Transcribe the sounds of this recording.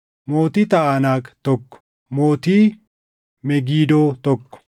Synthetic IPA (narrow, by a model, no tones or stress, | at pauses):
moːt̪ɪt̪ɐʔaːnaːkt̪ɔkːɔ̥ | mo̞ːt̪iː | mɛɡiːd̪oːt̪ɔkːɔ̥